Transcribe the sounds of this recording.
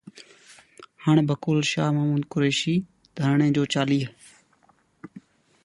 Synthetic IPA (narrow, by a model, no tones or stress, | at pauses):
haːɳ̃bʱəkoːlʃaːɦmaːmuːd̪kʊɾeːʃiː | d̪ʱəɾɳẽːd͡ʒoːt͡ʃaːliː